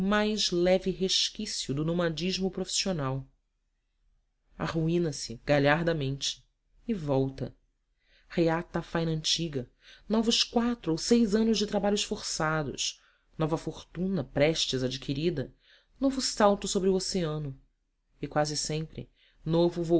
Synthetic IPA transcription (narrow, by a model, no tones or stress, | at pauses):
majzlɛvɪɦeʃkisiʊd̪ʊnomad͡ʒiʒmʊpɾofi̥sionaw | a̰χuĩnɐsɪɡ̥aʎaɾd̪ɐmẽnt͡ʃɪ̥ | ɪvɔwt̪ɐ̰ | heat̪ɐfajnɐɐ̃nt͡ʃiɡɐ | nɔvʊʃkwat̪ɾʊowsejzɐ̃nʊʒd͡ʒɪt̪ɾabaʎʊʃfoɾsad̪ʊ̰ʃ | nɔvɐfoχt̪ũnɐpɾɛʃt͡ʃizad͡ʒikʰiɾid̪ɐ | novʊsawt̪ʊsobɾɪuoseɐ̃nʊ | ɪkwazɪsẽmpɾɪ̰ | novʊvo